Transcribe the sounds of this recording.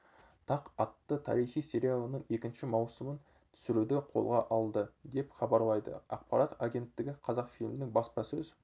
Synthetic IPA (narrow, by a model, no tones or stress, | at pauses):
t̪ʰɑqɑt̪ːət̪ʰɑ̰ɾijχijse̞ɾʲijalˠənəɴe̞kʲɪnʃɪmɑwsəmən | t̪ʰʏ̥sɪɾud̪ɪqʰo̞̰lˠʁɑʔɑlˠd̪əd̪e̞pχɑbɑɾlˠɑjd̪ə̰ɑ̰q̚pɑɾɑt̪aɡʲe̞nt̪ːɪɡʲɪqʰɑzɑqfilʲmɪnɪŋbɑspɑsɵz